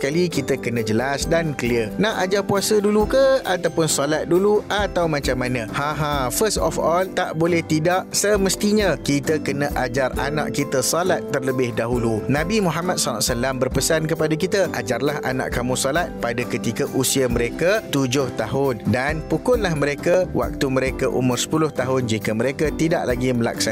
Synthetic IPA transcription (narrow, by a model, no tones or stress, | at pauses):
kalikit̪əkənə̃d͡ʒəlasdankəliənaʔad͡ʒarpuasədulukəat̪awpʊnsɔlat̪̚duluat̪awmãt͡ʃamːanə̃hãɦãfəstɔfɔlt̪aʔbolɛht̪idaʔsəməst̪iɲãkit̪əkənə̃ʔad͡ʒara̰nã̰ʔkit̪əsɔlat̪ːərləbɪhdaɦulunãbimũɦamat̪̚sanat̪salambərpəsankəpadakit̪aʔad͡ʒarlaha̰nã̰ʔkamũsɔlat̪̚padakət̪ikaʔusiaməɾekat̪ud͡ʒʊht̪aɦʊndanpukʊnlahmə̃ɾekawʔa̰k̚t̪umə̃ɾekaʔṵmʊrsə̥pulʊht̪aɦʊnd͡ʒikaməɾekat̪ida̰ʔlaɡiməla̰ksa